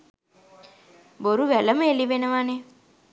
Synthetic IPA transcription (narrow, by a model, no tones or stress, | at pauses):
boɾuʋæləməeliʋenəʋane